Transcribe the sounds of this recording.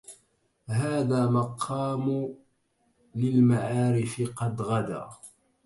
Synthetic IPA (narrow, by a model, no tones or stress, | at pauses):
ɦaːðaːmɑqʰɑːm | lɪlmaʕaːɾɪfɪqɑd̪ɣad̪a̰ː